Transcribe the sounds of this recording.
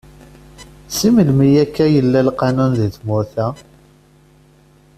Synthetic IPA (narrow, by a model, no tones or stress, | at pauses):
siməlmijækːæjəlːælqɑnunðiθmʊɾθæ